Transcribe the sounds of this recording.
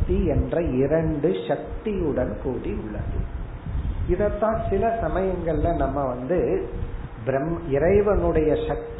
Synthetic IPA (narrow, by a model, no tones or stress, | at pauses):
t̪iɛndrɐɪɾɐɳɖɯʂɐk̚t̪ijɯɽɐnkuːɽiʊɭːɐ̰ðɯ̰ | ɪðɐt̪ːãːsɪlɐsɐmɐjɐŋɡɐɭɪlɐ̃nɐmːɐʋɐnd̪ɯ | bɪɾɐmɪɾɐɪʋɐnɯɽɐjɐʂɐk̚t̪